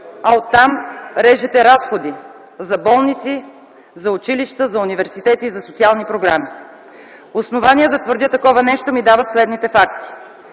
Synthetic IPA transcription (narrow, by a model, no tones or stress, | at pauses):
ɐot̪ːamɾɛʒɛt̪ɛɾasxod̪i | zɐbɔlˠnit̪si | zɐʊt͡ʃiliʃt̪əzɐunivɛɾsit̪ɛt̪izɐsot̪ialˠnipɾoɡɾami | osnovaniəd̪ɐt̪vəɾd̪ʲət̪ɐkɔvɐnɛʃt̪omid̪avɐt̪slɛd̪nit̪ɛfak̚t̪i̥